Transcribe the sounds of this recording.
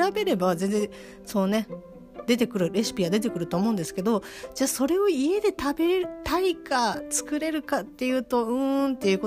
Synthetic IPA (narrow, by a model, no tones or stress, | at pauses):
ɾabe̞ɾe̞bazẽ̞nd͡zẽ̞ | so̞ːne̞ | d̪e̞t̪e̞kɯ̟ɾɯ̟ɾe̞sɨ̥pʲiɡad̪e̞t̪̬e̞kɯ̟ɾɯ̟t̪oːmoɯ̃nd̪esɨ̥ke̞d̪o̞d͡ʑaːso̞ɾe̞o̞ie̞d̪e̞t̪abe̞ɾeɾɯt̪aikat͡sɨ̥kɯ̟ɾe̞ɾɯ̟kat̪ːe̞jɯ̟ːt̪o̞ɯ̟̃ːnt̪ːe̞jɯ̟ːko